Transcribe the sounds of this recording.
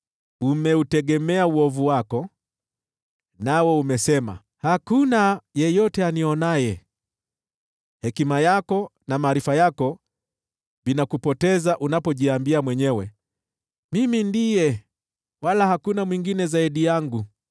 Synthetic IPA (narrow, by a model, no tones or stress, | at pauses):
umɛutɛɠɛmɛauɔvuwakɔ | nawɔumɛsɛma̰ | hakunajɛjɔtɛaniɔnajɛ | hɛkimajakɔnamaːɾifajakɔ | vinakupɔtɛzaʔunapɔʄiambiamwɛɲɛwɛ | mimindijɛ | walahakunamwiŋɡinɛzaiɗijaŋɡu